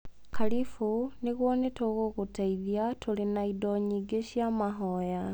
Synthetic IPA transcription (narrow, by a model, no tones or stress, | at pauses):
kʰalifuniɣwonetoɣoɣutaiðjatulinaidoɲiɡeʃjamaɦoja